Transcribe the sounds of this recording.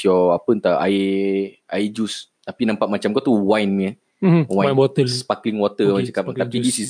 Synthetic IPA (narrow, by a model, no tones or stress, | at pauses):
jɔapənt̪aa̰i | aid͡ʒust̪apinãmpaʔmat͡ʃamkɔt̪uwajnmə | wãɔt̪əspakliŋwɔt̪əwat͡ʃəkaapidisis